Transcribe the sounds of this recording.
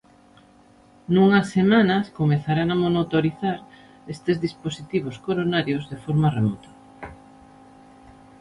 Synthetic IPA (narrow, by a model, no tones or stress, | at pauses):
nuŋɐsːemanɐskomeθaɾaŋamonot̪oɾiθaɾ | est̪ezðisposit̪iβ̞oskoɾonaɾjozðefɔɾmɐremɔt̪ɐ̥